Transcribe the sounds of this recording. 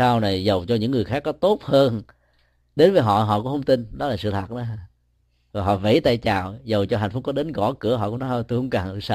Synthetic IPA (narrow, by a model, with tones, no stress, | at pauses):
aː˧wna˨˩jzə˨˩wt͡ɕɔ˧ɲɨ̰˧˥ŋːɨ˨˩əjxaː˦˥kːɔ˨˦t̪o˦˥t̚həː˧n | ɗe˨˦nvəː˨˦jɦɔ̰˧˨ɦɔ̰˧˨ku˧˥˦hə˧wŋ͡mt̪i˧nɗɔ˨˦laː˨˩sɨ̰˧˨t̪ʰaː˨˩nə˨˦˧ | vaː˨˩ɦɔ̰˧˨vḛ˧˥jt̪a̰ː˧˨jt͡ɕa̰ː˨˩wzə˨˩wt͡ɕɔ˧ɦa˨˩j̟fʊ˦˥k͡p̚kɔ˨˦ɗe˨˦nɣɔ̰˧˩kɨ˧˥˩əɦɔ̰˧˨kʊ̰˧˥ŋ͡mnɔ˨˦˧jt̪o˧jxŋ͡mkaː˨˩ŋ˧sa˧